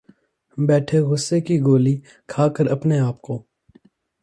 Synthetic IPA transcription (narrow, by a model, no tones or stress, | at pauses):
bɛːʈʰeɣʊsːekiɡoːli | kʰaːkəɾɐpneaːp̚koː